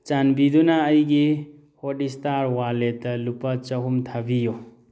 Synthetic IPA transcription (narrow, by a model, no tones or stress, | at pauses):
t͡ʃanbidunaːjɡi | hodistaɾwaletɐlupat͡ʃɐɦumtʰabijo